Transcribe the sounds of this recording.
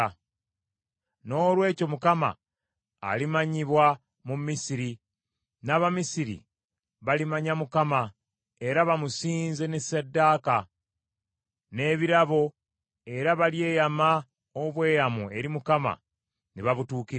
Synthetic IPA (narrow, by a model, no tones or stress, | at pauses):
no̞ːlwe̞ːco̞mukama̰ː | limaɲiβwa | mumisiɾi | naːβamisiɾḭ | βalimaɲamukama | e̞ɾaβamusiːnze̞nesadːaːka | ne̞ːβiɾaβo̞ | e̞ɾaβalje̞ːjama | oβwe̞ːjamue̞ɾimukama̰ | niβaβutuːkiɾ